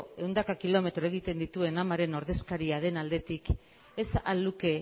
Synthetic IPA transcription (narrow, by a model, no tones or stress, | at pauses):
e̞wnd̪akakilo̞me̞t̪ɾo̞e̞ɣ̞it̪e̞nd̪it̪ue̞namaɾe̞no̞ɾðe̞skaɾiað̞e̞nald̪e̞t̪ik | e̞sa̰luke̞